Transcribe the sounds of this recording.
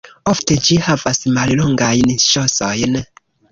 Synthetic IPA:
ofte̞d͡ʒihavasmalloŋɡajnʃosojn

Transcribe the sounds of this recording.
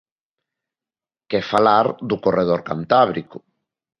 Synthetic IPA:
kefalaɾðʊkoreð̞oɾka̰nt̪aβɾikʊ

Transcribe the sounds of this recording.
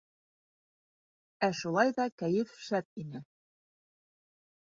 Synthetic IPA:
æʃulˠɑjðɑkæjɘfʃæp̪̚inɘ

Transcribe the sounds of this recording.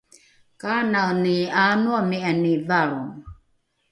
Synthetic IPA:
kananianuamianivaɾum

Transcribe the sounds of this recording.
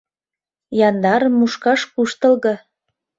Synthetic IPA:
jɑnd̪ɑɾəmːuʃkɑʃkuʃt̪ə̆lɣɤ̆

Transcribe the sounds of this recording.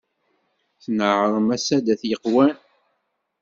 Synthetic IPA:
θnəʕɾˤəmæsæd̪æθjəqːwæn

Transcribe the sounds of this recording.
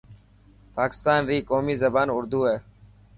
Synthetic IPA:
paːkɪ̥st̪aːnɾiːkoːmiːzəbaːnʊɾd̪uːɦeː

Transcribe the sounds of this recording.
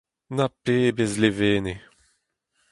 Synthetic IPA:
napːeːbezleveːne

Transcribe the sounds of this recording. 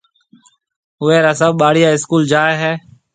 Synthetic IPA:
ʊeːɾaːsəbɓaːɽɪjaːɪskuːld͡ʒaːeːɦɛː

